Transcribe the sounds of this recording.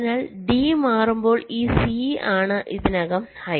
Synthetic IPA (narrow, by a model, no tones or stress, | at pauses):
naːɭɖiːmaːrumbo̞ːɭiːsiaːɳɨʔiðinɐɣɐmhɐj